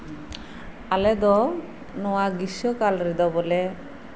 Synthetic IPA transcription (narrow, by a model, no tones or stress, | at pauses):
alɛd̪ɔ | nɔwaɡiʃɔkalɾid̪ɔbɔle